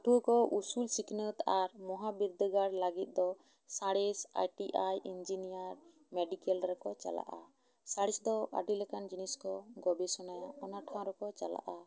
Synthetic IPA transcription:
ʈʰuəkɔʔusulsiknət̪aɾmɔɦabiɾd̪əɡaɽlaɡit̪̚ˀd̪ɔ | saɽisa̰jʈiʔajʔind͡ʒinijaɾ | mɛɖikɛlɾɛkɔt͡ʃa̰la̰ʔa | saɽisd̪ɔʔa̰ɖilɛkand͡ʒiniskɔɡɔbisɔnajaɔnaʈʰãw̃ɾɛkɔt͡ʃala̰ʔa

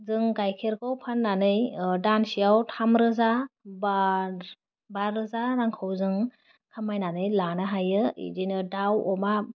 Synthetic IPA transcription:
zɯŋɡajkʰeɾkʰɔwpʰanːanɯjdansijawtʰamɾɯzaba | baɾɯzaɾaŋkʰɯwzɯŋ | kʰamajnanɯjlanaɦajɯḭdinɯdawɔma

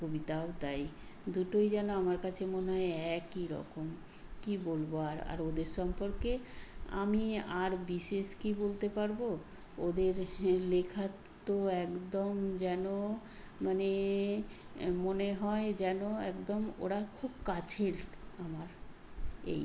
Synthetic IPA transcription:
kobit̪aot̪ajd̪uʈojd͡ʑɛnoamaɾkat͡ɕʰemoneɦɔeɛkiɾɔ̰kom | kibolboaɾa̰ɾod̪eɾʃɔmpoɾkea̰miaɾbiʃeʃkibolt̪epaɾbo | od̪eɾlekʰat̪ | oɛkd̪omd͡ʑɛno | mane | moneɦɔed͡ʑɛnoɛkd̪omo̰ɾakʰubkat͡ɕʰeɾamaɾ | ḛj

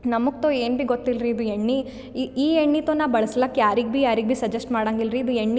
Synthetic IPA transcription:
nɐmukt̪oːeːnbiɡot̪ːilɾiːd̪ueɳːi | iːeɳːit̪oːnaːʋbɐɭɐslakːjaːɾiɡ̚bijaːɾiɡbiːsɐd͡ʒesʈmaːɽaːŋɡilɾiːd̪ueɳːi

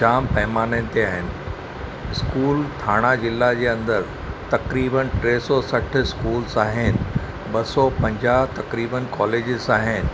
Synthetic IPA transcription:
d͡ʑaːmpɐɦmaːnẽːnɪ̆t̪eaːɦɪnɪ̆ | ɪskuːlt̪ʰaːɽ̃ad͡ʑɪlːad͡ʑeːɐ̃nd̪əɾ | t̪ɐkɾiːbənʈɾeːsɔsɐʈʰɪskuːlzaːɦɪnɪ̆ | bɐsɔːpɐ̃ɲd͡ʑaːɦt̪ɐkɾiːbənkɔːleːd͡ʑɪzaːɦɪnɪ̆

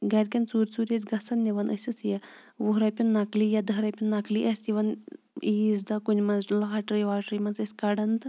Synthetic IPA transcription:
ɡɐɾʲkʲɐnt͡suːɾʲt͡suːɾʲezʲɡɐsɐnniʋɐnʔəsʲɐsjɐ | ʋuɦɾɐpʲinːɐklijɐd̪ɐɾɐpʲunːɐkliʔɐsʲiʋɐn | iːzd̪ɐkunʲmɐnzlaːʈɾɨjʋaːʈɾɨjmɐnsɐsʲkɐɖɐnd̪

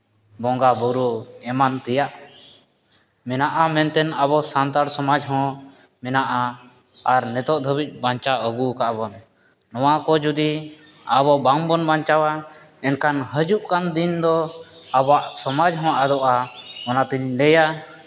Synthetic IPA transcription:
bɔŋɡabuɾuɛmant̪ɛjaʔ | mɛnaʔamɛnt̪ɛnaβɔsant̪aɽsɔmad͡ʒɦɔ̃ | mɛnaʔaː | ɾnɛt̪ɔʔd̪ʱəbic̚ˀbaɲt͡ʃaʔəɡukaʔbɔnː | ɔwakɔd͡ʒud̪i | aβɔbaŋbɔnbaɲt͡ʃawa | ɛnkanɦəd͡ʒuʔkand̪ind̪ɔabaʔsɔmad͡ʒɦɔ̃ʔad̪ɔʔaɔnat̪iɲlɛja

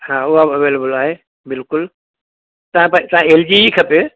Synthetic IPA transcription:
haːʊɦabɐʋeːlebəlaːɦeː | bɪlkʊl | t̪ɐʋ̤ãpɐ̃t̪ɐãeːld͡ʑiikʰɐpe

